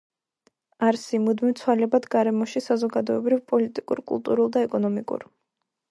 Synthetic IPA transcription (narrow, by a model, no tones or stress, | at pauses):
aɾsimud̪mimt̪sʰwalɛbad̪ɡaɾɛmɔʃisazɔɡad̪ɔɛbɾivpʼɔlit̪ʼikʼṵɾkʼṵlˠt̪ʼuɾulˠd̪aɛkʼɔnɔmikʼṵɾ